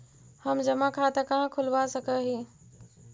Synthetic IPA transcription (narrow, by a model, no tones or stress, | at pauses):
həmd͡ʒɐmakʰat̪ɐkãkʰʊlʋasəkʰəɦĩː